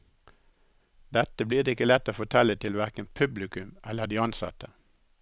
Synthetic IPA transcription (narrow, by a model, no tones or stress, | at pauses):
d̪̥ɛt̪əbliːʁd̪eɪkəlɛt̪ːoːfɔt̪ʰɛlːət̪ʰɪlʋæɾkənpʰʉblɪkʉmʔɛləd̪iːɑnsɑ̰t̪ə